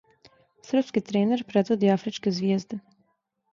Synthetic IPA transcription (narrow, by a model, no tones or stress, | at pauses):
sr̩pskit̪ɾeːneɾpɾed̪ʋo̞d̪iafɾit͡ʃkezʋjeːzd̪e